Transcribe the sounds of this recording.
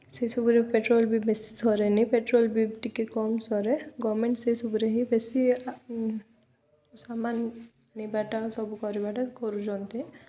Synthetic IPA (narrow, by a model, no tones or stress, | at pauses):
sejsɔbuɾepeʈɾolbibesi̥sʰɔɾenipeʈɾɔlbiʈikekɔmsɔɾeɡɔmeɳʈseisɔbuɾeɦibesi | saman | nibaʈasɔbukɔɾibaʈakɔɾud͡ʒɔnt̪e